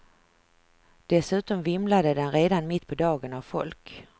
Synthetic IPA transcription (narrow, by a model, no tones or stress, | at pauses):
d̪̥ɛsʉ̟ːt̪ɔmvɪmlad̪əd̪ɛnɾeːd̪anmɪt̪ːpʰɔd̪ɑːɡənavfɔ̰lk